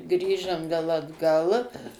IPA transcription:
ˈɡrʲiːʒɐm ˈʋʲeːlˠ ɐdˈɡɐlˠ

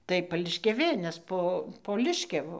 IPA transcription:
tɐɪ pɐlʲɪʃʲkʲɛˈʋʲeː nʲɛs ˈpoː poː ˈlʲɪʃʲkʲɛʋʊ

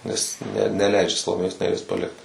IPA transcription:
nʲɛs nʲɛ nʲɛˈlʲɛɪd͡ʒʲɛ sɐlˠoːˈmʲeːjoːs nʲɛˈrʲiɛs pɐˈlʲɪkt

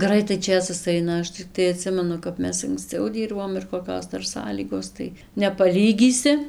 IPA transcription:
ˈɡrɐɪtɐɪ ˈt͡ʃʲeːsɐs ˈɐɪnɐ ˈɐʃ t͡sʲɪˈktɐɪ ɐˈtʲsʲɪmʲɛnʊ kɐp ˈmʲɛs ɐŋksˈt͡sɐʊ ˈdʲiːrboːm ɪr koːˈkʲoːs ˈdɐr ˈsɑːlʲiːɡoːs tɐɪ nʲɛpɐˈlʲiːɡʲiːsʲɪ

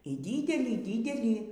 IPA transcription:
iː ˈdʲiːdʲɛlʲiː ˈdʲiːdʲɛlʲiː

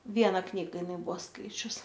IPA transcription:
ˈʋʲiɛnɐ ˈknʲiːɡɐ ɪˈnɐɪ ˈbuɔ ˈskɐɪt͡ʃʲʊs

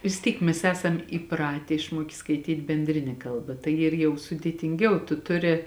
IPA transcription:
ʋʲɪs ˈtʲiːk ˈmʲɛs ˈæːsɐm iːˈprɑːtʲeː ɪʃˈmuɔkʲeː skɐɪˈtʲiːtʲ bʲɛnʲˈdʲrʲɪnʲɛ ˈkɐlˠˌbɐ tɐɪ ˈiːr jɛʊ sʊdʲeːtʲɪŋʲˈɡʲɛʊ tʊ ˈtʊˌrʲɪ

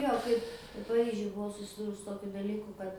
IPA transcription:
ˈjoː kɐɪp pɐˈrʲiːʒʲʊj bʊˈʋɐʊ sʊsʲɪˈduːrʊs sʊ ˈtoːkʲʊ dɐˈlʲiːkʊ ˈkɐt

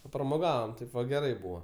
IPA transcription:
pɐprɐmoːˈɡɑːʋɐm ˈtɐɪp ʋɐ ɡʲɛˈrɐɪ ˈbuːʋɐ

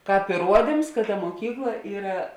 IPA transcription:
ˈkɑːp ɪˈruɔdʲɪms kɐt tɐ muɔˈkʲiːklˠɐ ˈiːrɐ

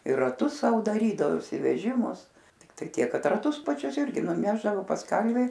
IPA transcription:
ɪr rɐˈtʊs ˈsɐʊ dɐˈrʲiːdɐʋoːsʲɪ ʋʲɛˈʒʲɪmʊs tʲɪkˈtɐɪ ˈtʲiɛk ˈkɐt rɐˈtʊs pɐˈt͡ʃʲʊs ˈɪrʲɡʲɪ nʊˈnʲæːʒdɐʋoː pɐs ˈkɐlʲʋʲɪ

